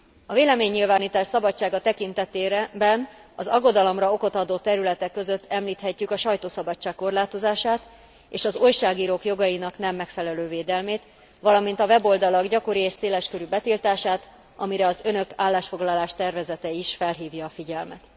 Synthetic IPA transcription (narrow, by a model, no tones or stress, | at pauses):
ɒveːlɛmeːɲːilvaːniːt̪aːʃsɒbɒt͡ʃt͡ʃːaːɡɒt̪ɛkint̪ɛt̪eːbɛnɒzɒɡːo̞d̪ɒlo̞mrɒo̞ko̞t̪ɒd̪oːt̪ɛɾylɛt̪ɛkːøzø̞t̪ːɛmliːt̪hɛcːykɒʃɒjt̪oːsɒbɒt͡ʃːaːkːo̞rlaːt̪o̞zaːʃaːt̪ | ḛːʃɒzojʃaːɡiːɾoːkjo̞ɡɒinɒknɛmːɛkfɛlɛløːveːd̪ɛlmeːt̪ | ʋɒlɒmin̪t̪ɒvɛbo̞ld̪ɒlɒɡɟɒko̞ɾieːʃseːlɛʃkø̞ɾybɛt̪ilt̪aːʃaːt̪ | ʔɒmiɾɛɒzø̞nø̞kaːlːaːʃfo̞ɡlɒlaːʃt̪ɛrvɛzɛt̪ɛiʃfɛlɦiːvjɒːfiɟɛlmɛ̰t̪